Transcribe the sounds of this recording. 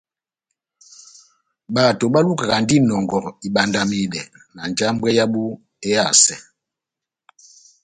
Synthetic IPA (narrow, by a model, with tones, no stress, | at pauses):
ɓa˨to˨ɓa˦lu˦ka˨ɣa˨n˦di˦nɔ˨ŋɡɔ˨ɾi˨ɓa˨nda˨mi˨ɗɛ˨ | na˨n˨d͡ʒa˦m̩˦bwɛ˦ja˦ɓu˦ | ɛ˦ja˨sɛ˨